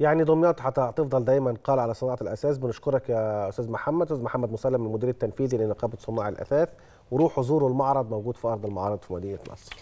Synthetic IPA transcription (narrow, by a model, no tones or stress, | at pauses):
jaʕnid̪ˤomjɑːt̪ħat̪t̪efd̪ˤɑld̪æːjmænqɑːlʕalæsˤɨnɑːʕɑlʔæ̰sæːsbɪnʊʃkoɾˤɑkjæʔʊst̪æːzmaħamːæd̪ʔsæzmaħamːæd̪mʊsælːæmːɪnmʊd̪iːɾæt̪ːænfiːðilenɑqɑːbt̪sˤomɑːʕelʔæ̰sæːθ | weɾuːħozˤuːɾolmɑʕɾˤɑd̪ˤmæwɡuːd̪fiʔɑɾˤd̪ˤelmɑʕɑːɾˤɨd̪ˤfimæd̪iːjːænʔɑ̰sˤɾ